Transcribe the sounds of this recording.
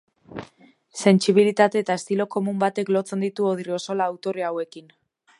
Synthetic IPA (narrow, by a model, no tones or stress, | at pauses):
se̞nt͡siβilit̪at̪e̞ːt̪ae̞st̪ilo̞ko̞mumbat̪e̞klo̞t͡se̞nd̪it̪uoðirio̞so̞laːwt̪o̞reawe̞kin